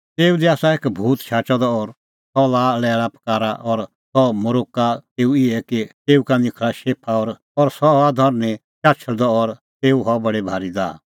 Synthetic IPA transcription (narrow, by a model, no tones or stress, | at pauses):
t̪eːud̪iaːsaeːkbʱuːt̪ʃʰaːt͡ʃɔd̪ɔɔɾ | sɔlaːlɛːɾapɐ̥kaːɾaʔɔɾ | sɔmʊɾoːkat̪eːuɪɛkit̪eːukanɪkʰɽaʃeːpʰaɔːɾ | ɔɾsɔɦad̪ʱɔɾne | t͡ʃaːt͡ʃʰəɽd̪ɔɔɾ | t̪eːuɦɔbɐɽebʱaːɾid̪a̰ː